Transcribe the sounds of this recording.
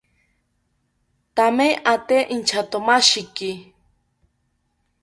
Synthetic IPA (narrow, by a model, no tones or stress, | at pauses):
t̪ameʔat̪eʔint͡ʃʰat̪omaʃiki